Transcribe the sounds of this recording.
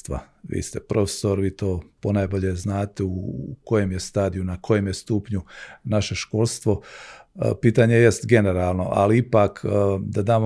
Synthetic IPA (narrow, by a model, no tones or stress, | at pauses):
t̪ʋa̰ | ʋḭːst̪e̞pɾo̞fe̥so̞ɾʋiːt̪o̞ːponajbo̞ʎeznaːt̪euko̞jemje̞st̪aːd̪ijunako̞jemjest̪uːpɲunaʃe̞ʃko̞lˠst̪ʋo̞ | piːt̪aɲeje̞st̪ɡe̞ne̞ɾaːlˠno̞̰ʔa̰liipaːkːd̪ad̪aːmo